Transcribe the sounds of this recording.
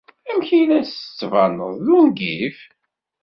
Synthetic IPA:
æmçinæsə̥t͡sːvɑnəðˤðunɡif

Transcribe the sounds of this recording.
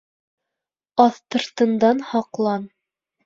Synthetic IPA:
ɑθt̪ɤ̆ɾt̪ɤ̆nd̪ɑnhɑqlˠɑn

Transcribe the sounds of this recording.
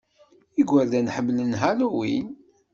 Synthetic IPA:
iɡʷːæɾd̪ænħəmːlənɦaluwḭn

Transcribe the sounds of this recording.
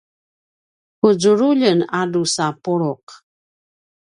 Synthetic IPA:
kud͡ʒuɾuʎənadusapuɭuq

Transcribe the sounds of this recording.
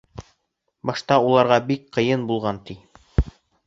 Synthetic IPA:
bɒʃt̪ɑulˠɑɾʁɑbik̚qɤ̆jɤnbulˠʁɑnt̪i

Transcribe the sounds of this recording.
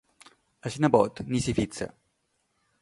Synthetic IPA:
asinabɔt̪nisifit̪sɐ̰

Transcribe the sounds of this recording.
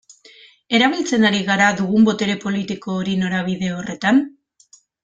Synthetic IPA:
e̞ɾaβ̞ilt͡se̞naɾiɣaɾaðuɣumbo̞t̪e̞ɾe̞po̞lit̪iko̞ːɾino̞ɾaβ̞iðe̞o̞re̞t̪an

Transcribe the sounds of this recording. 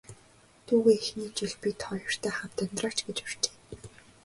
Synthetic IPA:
t̪ʰuːɣeːexniːt͡ɕiɮpit̪χɔjɞr̥t̪ʰæːχam̥t̪ʰœnt̪raːt͡ɕɡet͡ɕɪr̥t͡ɕe̥ː

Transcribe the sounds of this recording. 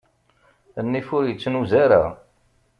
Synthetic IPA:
ənːifʊɾjət͡sːnuzaɾa̰

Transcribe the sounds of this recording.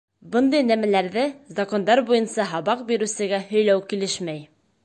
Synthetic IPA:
bɤnd̪ɤjnæmælæɾðɘzɐkond̪ɑɾbujɤnsɑɦɑβɑqbiɾʉ̆sɘ̆ɡæhɵ̆jlæwkilɘʃmæj

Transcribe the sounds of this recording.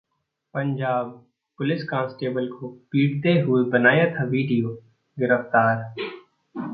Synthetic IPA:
pə̃ɲd͡ʒaːb̚ | pʊlɪskãːsʈeːbəlkopiːɽt̪eɦʊebənaːjaːt̪ʰaʋiːɖijoː | ɡɪɾəft̪aːɾ

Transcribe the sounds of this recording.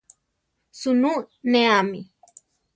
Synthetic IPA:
sununeamḭ

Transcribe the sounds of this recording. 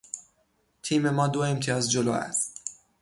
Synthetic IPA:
t̪ʰiːme̞mɒːd̪oe̞mt̪ʰijɒːzd͡ʒolo̰ːæ̰st̪̚

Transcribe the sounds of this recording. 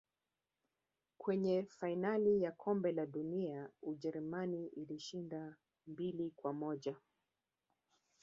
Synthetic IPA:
kʰwɛɲɛfainalijakʰɔmbɛlaɗuniauʄɛɾumaniʔiliʃinda | mbilikwamɔʄa

